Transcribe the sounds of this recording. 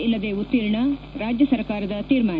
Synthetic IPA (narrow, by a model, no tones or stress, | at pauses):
ilːɐd̪eːut̪ːiːɾɐɳɐɾaːd͡ʒjɐsɐɾkaːɾɐd̪ɐt̪iːɾmaː